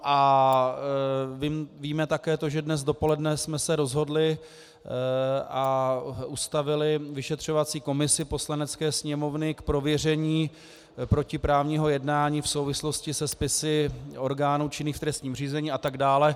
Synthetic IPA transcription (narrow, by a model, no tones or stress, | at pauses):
ʔa | vimviːmɛt̪akɛːt̪o̞ʒɛdnɛz̬do̞po̞lɛdnɛsmɛsɛɾo̞zɦo̞dlɪ | ʔaʔust̪avɪlɪvɪʃɛt̪r̝̥o̞vat͡siːko̞mɪsɪpo̞slanɛt͡skɛːsɲɛmo̞vnɪkpɾo̞vjɛr̝ɛɲiː | pɾo̞cɪpɾaːvɲiːɦo̞jɛdnaːɲiːfso̞wvɪslo̞scɪsɛspɪsɪo̞ɾɡaːnuːt͡ʃɪniːxft̪ɾɛst̪ɲiːmr̝iːzɛɲiːʔat̪aɡdaːlɛ